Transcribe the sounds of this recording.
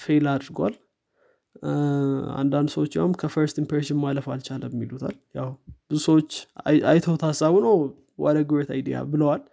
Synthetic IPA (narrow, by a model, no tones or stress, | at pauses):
felad̪ɾɡwa̰l | a̰nd̪and̪səwot͡ʃːjawmkʰəfəɾst̪impeɾʃɪnmaləfalt͡ʃaləwɛmːilut̪ʰa̰ljawb̥ɨzusəwot͡ʃːajt̪ʰəwt̪ʰasːaβunəw | wɔ̰d̪əɡɨwet̪ʰa̰jd̪ija̰bɨləwal